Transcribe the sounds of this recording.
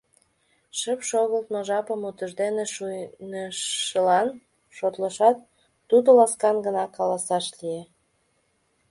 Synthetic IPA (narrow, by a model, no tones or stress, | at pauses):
ʃəpʃoɣəlt̪noʒɑpəmut̪əʒd̪eneʃunəəlɑn | ʃot̪ləʃɑt̪ː | ud̪olɑskɑnɡənɑkɑlɑsɑʃlije